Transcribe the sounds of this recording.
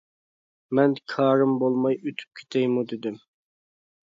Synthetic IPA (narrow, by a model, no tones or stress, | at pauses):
mɛnkʰɑːɾɨmbolˠmɑjøt̪ʰy̥p̚kʲʰe̥t̪ʰɛjmud̪ɪd̪ɪm